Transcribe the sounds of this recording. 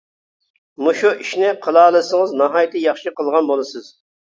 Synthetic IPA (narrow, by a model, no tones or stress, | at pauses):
muʃuʔiʃnɪqʰəlˠɑːlˠɨsəŋəznɑɦɑjt̪ʰɪjɑχʃiqʰəlˠʁɑnbolˠɨsɨz̥